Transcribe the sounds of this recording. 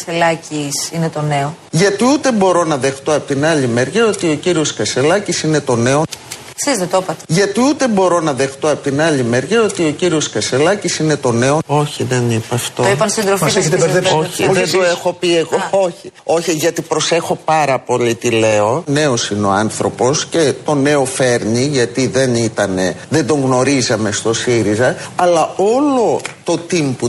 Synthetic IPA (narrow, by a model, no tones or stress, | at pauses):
selɐcisinet̪o̞neo | ʝɐt̪iut̪e̞bo̞ɾo̞nɐðe̞xt̪o̞ɐpot̪inɐlimeɾʝɐo̞t̪io̞ciɾio̞skɐse̞lɐcisine̞t̪o̞ne̞o | sizðet̪opɐt̪eʝɐt̪iut̪e̞bo̞ɾo̞nɐðe̞xt̪o̞ɐpot̪inɐlimeɾʝɐo̞t̪io̞ciɾio̞skɐse̞lɐcisine̞t̪o̞ne̞oo̞çiðenipɐft̪ooipɐnsind̪ɾofist̪eeoçiðend̪oexo̞pie̞ɣooçio̞çiʝɐt̪ipɾo̞se̞xo̞pɐɾɐpo̞lit̪ile̞o̞ne̞o̞sineo̞̰ɐnθɾo̞po̞sce̞t̪o̞ne̞o̞fe̞ɾniʝɐt̪iðe̞nit̪ɐne̞̰ðend̪o̞ŋɣno̞ɾizɐme̞st̪o̞siɾizɐɐlɐo̞lo̞t̪o̞t̪impu